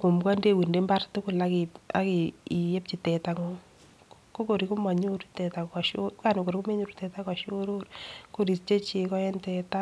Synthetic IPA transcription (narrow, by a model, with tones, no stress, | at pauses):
ko˨mɡa˦nde˦˨wi˨nde˦mba˦rtʊ˦kʊ˨lakia̰˦ki˨i˨je˦p̚t͡ʃi˨tɛ˨ta˨ŋo˨ | ko˦ko˨ɾi˨ku˦ma˨ɲu˦ɾtɛ˨ta˨a˨ʃoka˨no˨ko˨ɾi˦ku˦me˦ɲu˦ɾutɛ˨ta˦ka˨ʃo˦ɾo˦ɾko˦ɾi˨st͡ʃe˦t͡ʃi˨kɔ˦jɛ˦ntɛ˨ta˦